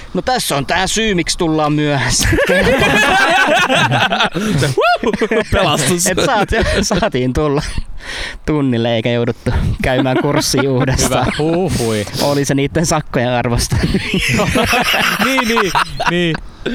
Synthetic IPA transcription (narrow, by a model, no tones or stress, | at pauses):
not̪æsːont̪æːsyːmikst̪ulːɑːmmyæhæs | seupelɑst̪uset̪ːæsɑːt̪sɑːt̪iːnt̪ulːɑ | t̪unːilːeeikæjoudut̪ːukæymæːŋkursːiːuːdessʋɑːhuːfuiʔoliseniːt̪ːensɑkːojeʔɑrʋost̪ɑ | niːniːniː